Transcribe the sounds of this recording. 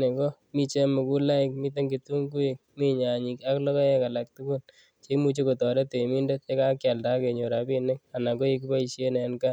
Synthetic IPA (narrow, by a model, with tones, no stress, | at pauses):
ne˨ɡɔ˦ | mi˦t͡ʃe˦mʊ˨ku˦la˦ɪk̚mi˦t̬e˦ŋɡi˨tu˦ŋɡu˦i˦k̚mi˦ɲa˨ɲi˨ka˦klɔ˦kɔ˦e˦ka˨la˨k̚tu˦kʊ˦l | t͡ʃe˦kmu˦t͡ʃe˦ko˨tɔ˨ɾe˦te˨mi˦nde˦te˦ka˦kja˨lda˦ke˨ɲo˨ɾa˨pi˦nɪ˦ŋa˨na˨ko˦i˦k̬ipa˦i˨ʃe˦ne˨˦nka˦